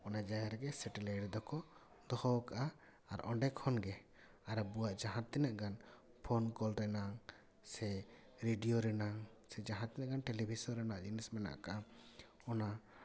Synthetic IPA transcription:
ɔnad͡ʒajaɾɛɡɛsɛʈɛlajʈd̪ɔkɔ | d̪ɔhɔkaʔa | a̰ɾʔɔ̰ɳɖɛkʰhɔnɡɛ | aɾɛbuwaʔd͡ʒaɦãt̪ːɛnaʔɡan | pʰɔnkɔlɾɛnaŋ | sɛ | ɾeɖijoɾɛnaŋ | sɛd͡ʒaɦãt̪ːɛnaʔɡanʈɛlibʱisɔɾɛnaʔd͡ʒinismɛna̰ʔkaʔa | ɔna

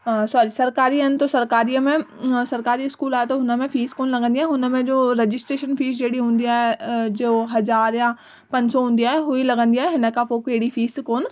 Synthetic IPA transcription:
asɔɾisɐɾkaːɾiɐnɪ̆t̪osɐɾkaːɾiːəmẽsɐɾkaːɾiɪskuːlaːɦet̪oɦʊnə̆mẽfiːskoːnlɐɡə̃nd̪iaːɦeɦʊnə̆mẽd͡ʑoːɾed͡ʑɪsʈɾeːʃənfiːsd͡ʑeːɽiɦũːnd̪iaːɦed͡ʑooɦɐzaːɾjã | pɐ̃ɲd͡ʑsɔɦũːnd̪iaːɦeɦʊĩlɐɡə̃nd̪iaːɦeɦɪnəkʰãpoːkeɽifiːskoːn

